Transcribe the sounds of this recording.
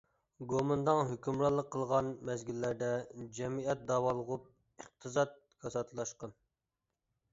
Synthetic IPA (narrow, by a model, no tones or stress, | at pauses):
ɡomɨnd̪ɑŋɦøkʲymɾɑlˠːəqʰːəlˠʁɑnmɛzɡʲilːæɾd̪ɛd͡ʒɛmiɛt̪̚d̪ɑːwɑlˠəʁup̚ | iq̚t̪ʰɨzɑt̪̚ | kʰɑsɑt̪ʰlˠɑʃqɑn